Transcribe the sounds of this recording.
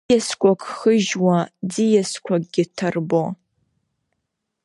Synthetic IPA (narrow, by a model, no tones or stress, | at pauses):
ɛskʷakʰʼχəʒwad͡zijaskʷʰaɡʼɡʲɪtʰarbo